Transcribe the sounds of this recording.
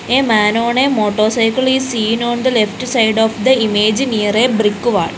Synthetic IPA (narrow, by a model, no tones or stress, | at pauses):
eːmaːnoːɳemoːʈːoːsɐjkːɐɭiːsiːnoːɳd̪ɨlefʈɨsɐjɖoːfd̪ɐimeːd͡ʑɨniːreːbrikːuʋa̰ːɭ